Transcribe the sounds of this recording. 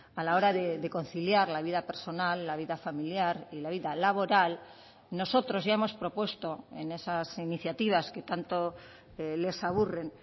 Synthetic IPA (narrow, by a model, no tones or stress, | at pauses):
alao̞ɾaðeðeko̞nθiljaɾlaβiðape̞ɾso̞nalːaβ̞iðafamiljaɾilaβ̞iðalaβo̞ɾal | no̞so̞t̪ɾo̞zʝaemo̞spɾo̞pwe̞st̪o̞ḛne̞sasiniθjat̪iβ̞aske̞t̪ant̪o̞ | le̞saβ̞ure̞n